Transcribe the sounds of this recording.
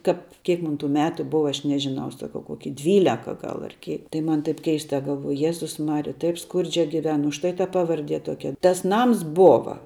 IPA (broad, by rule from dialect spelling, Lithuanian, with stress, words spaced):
ˈkɐp kʲiɛk ˈmʊn tuː ˈmʲæːtʊ ˈbʊʋɐ ˈɐʃ ˈnʲæːʒʲɪˌnɐʊ sɐˈkɐʊ ˈkoːkʲɪ ˈdʲʋʲiːlʲɛkɐ ˈɡɐlˠ ɐr ˈkʲeː tɐɪ ˈmɐn tɐɪp ˈkʲɛɪstɐ ɡɐlˠˈʋuɔjʊ ˈjæːzʊs ˈmɑːrʲɪjɛ ˈtɐɪp ˈskʊrʲd͡ʒʲɛ ɡʲɪˈʋʲɛn ʊʃ ˈtɐɪ tɐ ˈpɑːʋɐrʲdʲiɛ ˈtuɔkʲɛ tɐs ˈnɐms ˈboːʋɐ